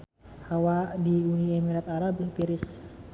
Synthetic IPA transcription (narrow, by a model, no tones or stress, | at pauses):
hawadiuniɛmiɾat̪aɾabpiɾis